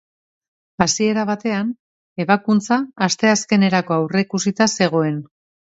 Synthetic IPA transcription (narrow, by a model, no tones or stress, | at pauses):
asie̞ɾaβ̞at̪e̞an | e̞βakunt͡saast̪e̞aske̞ne̞ɾako̞awre̞kusit̪ase̞ɣ̞o̞e̞n